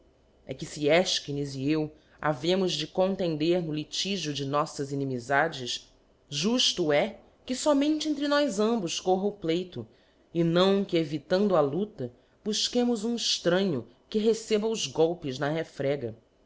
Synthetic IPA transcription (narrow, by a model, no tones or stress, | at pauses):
ɛ̰kɪsiɛʃkiniziew | a̰vẽmʊzd͡ʒɪkõnt̪ẽnd̪eɾnʊlit͡ʃiʒʊd͡ʒɪnɔsɐzinimizad͡ʒɪʃ | ʒuʃt̪ʊɛ | kɪsɔmẽnt͡ʃɪẽnt̪ɾɪnɔjzɐ̃mbʊʃkoɦɐʊplejt̪ʊ | ɪnɐ̃w̃kɪevit̪ɐ̃nd̪ʊɐlut̪ɐ | b̥uʃkẽmʊzũɪʃt̪ɾɐ̃ɲʊ | kɪɦesebɐʊzɡɔwpɪznɐhefɾɛɡɐ